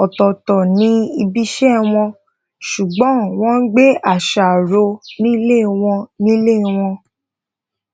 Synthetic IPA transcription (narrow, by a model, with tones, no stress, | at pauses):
ɔ˨tɔ˨tɔ˨nĩ˨˦i˧bi˦ʃɛ˦w̃ɔ̃˧ | ʃu˨ɡ͡bɔ̃˨˦w̃ɔ̃˦n̩˦ɡ͡be˦a˦˨ʃa˨ɾo˧nĩ˦le˦˨w̃ɔ̃˧nĩ˦le˦˨w̃ɔ̃˧